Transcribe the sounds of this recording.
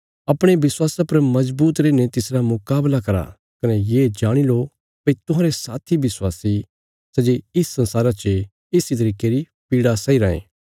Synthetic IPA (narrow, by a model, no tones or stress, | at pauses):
ɐpɽ̃ebɪswaːsapɐɾmɐzbuːt̪ɾeːnet̪ɪsɾamʊkaːblakɐɾa̰ | kɐnɛjeːd͡ʒaːɽ̃ilo | pɐit̪ʊ̃ɦãːɾesaːt̪ʰibɪswaːsi | sɛd͡ʒeɪsːɐ̃nsaːɾat͡ʃe | ɪsit̪ɐɾiːkeɾi | piːɽasɐiɾaːḛ̃ː